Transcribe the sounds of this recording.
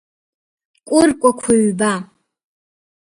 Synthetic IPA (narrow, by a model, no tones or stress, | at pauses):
kʷʼʊrkʷʼakʷʰʊɥba